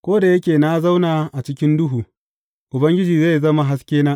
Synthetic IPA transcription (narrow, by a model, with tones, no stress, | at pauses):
kʷoː˦da˨jɐ˦kʲeː˨na˦za˦wnaː˨ʔa˨t͡ʃɪ˦kʲɪ˦ndʊ˦ɦuː˨ | ʔʊ˨bɐ˦ŋɡʲɪ˦d͡ʒiː˨ze˦˨jzɐ˦ma˨ɦa˦skʲeː˦naː˦ʔ